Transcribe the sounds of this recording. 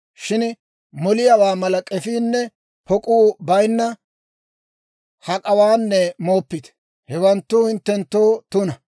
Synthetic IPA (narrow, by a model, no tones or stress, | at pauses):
ʃɪn | mɔlɪjɐwaːmɐlɐkʼɛfiːnːɛ | pɔkʼuːbɐjnːɐ | hɐkʼɐwaːnːɛmo̞ːpːɪt̪ɛ̥ | hɛwɐnt̪ːʊhɪnt̪ːɛnt̪ːoːt̪ʊnɐ